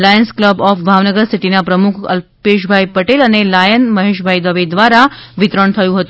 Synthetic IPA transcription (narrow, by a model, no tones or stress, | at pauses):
lajənskləbɔfbʱaʋnəɡəɾsiʈinapɾəmukʰə̰lpeʃbʱajpəʈelənelajənməɦeʃbʱajid̪əʋed̪ʋaɾaʋit̪ɾəɳt̪ʰəjũɦət̪u